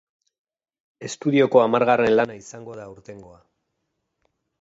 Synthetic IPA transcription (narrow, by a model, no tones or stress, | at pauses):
e̞st̪uð̞io̞ko̞amaɾɣare̞nlanaisaŋɡo̞ðauɾt̪e̞ŋɡo̞a